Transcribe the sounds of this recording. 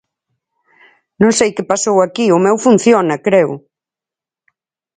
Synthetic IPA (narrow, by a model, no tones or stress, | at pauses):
nõŋsejkɪpasowakiʊmɛwfun̟θjonɐkɾeʊ̰